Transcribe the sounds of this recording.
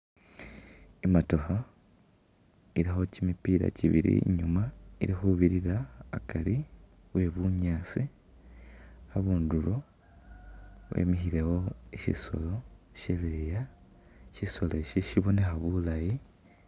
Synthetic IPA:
imatoxa | iɾixo̞cimipiːɾa̰ciβḭɾḭɲumaiɾixuβiɾiɾa̰ːkʰaɾi | βwe̞βuɲaːsi | aβuːnduɾo̞ | wʔḛmixiɾe̞wo̞eʃḭso̰lo̞ | ʃeleja | ʃiso̞leʃiʃiβone̞xaβulaji

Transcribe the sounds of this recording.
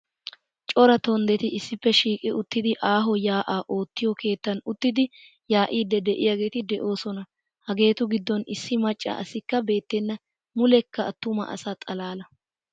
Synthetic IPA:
t͡ʃʼɔɾɐt̪ɔnd̪ɛt̪ɪɪsːɪpːɛʃiːkʼɪʔʊt̪ːɪd̪ɪʔaːɦɔjaːʔaːʔo̞ːt̪ːɪjɔkʰe̞ːt̪ːɐnʊt̪ːɪd̪ɪ | jaːʔiːd̪ɛd̪ɛʔɪjaːɡe̞ːt̪ɪd̪ɛʔo̞ːsɔnɐ | hɐɡe̞ːt̪ʊɡɪd̪ːɔnɪsːɪmɐt͡ʃʼːɐ̰ʔɐsɪkːɐbe̞ːt̪ːenːɐ | mʊlɛkːɐːt̪ːʊmɐ̰ʔɐ̰saːt̪ʼɐlaːlɐ

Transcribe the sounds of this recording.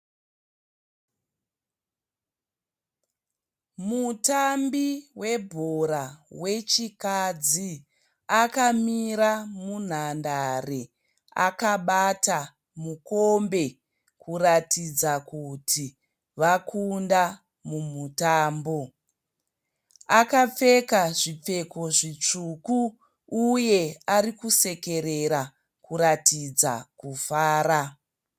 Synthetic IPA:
mutambiwe̞bʱoɾawe̞t͡ʃikad͡zi | akamiɾamun̤andare | a̰kaɓata | mukombe̞ | kuratid͡zakutʰi | ʋakʰunda | mumutaːmbo | akap͡fe̞kaʐip͡fe̞ko̞ʐit͡ʂukuː | je̞aɾikuse̞ke̞ɾeɾa | kuɾatid͡za̰kufaːɾa

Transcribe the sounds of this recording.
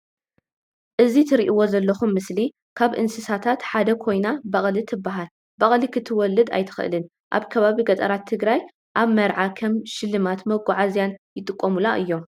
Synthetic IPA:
ʔɨzit̪ʰɨɾiʔiwo̞zɐlːɐxumːɨsli | kʰaβʔɨ̰nsɨsat̪ʰat̪ħad̪ɐkʰo̞jnabɐχʼlit̪ʰɨbːaɦal | bɐχʼlikʰɨt̪ʰːɨwɔlːɨd̪a̰jt̪ʰɨ̥xʔɨ̰lɨn | ʔa̰βkʰɐβaβiɡɐt̪ʼɐ̰ɾat̪ʰːɨɡɾaj | ʔaβmɐɾʕakʰɐmʃɪlːɨmat̪mɐɡʷaʕazjanjɪt̪ʼɨkʼːomulaʔɨjːo̞m

